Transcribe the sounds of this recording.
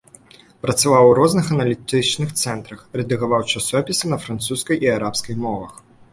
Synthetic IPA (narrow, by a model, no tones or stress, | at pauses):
pɾɐt̪savawɾɔznɨxɐnɐlʲit̪ɨt͡ʂnɨxt̪sɛnt̪ɾɐxɾɛd̪ɨɣavawt͡ʂasɔpʲisʲɐnɐfɾant̪suskɐjiaɾapskɐjmɔvɐx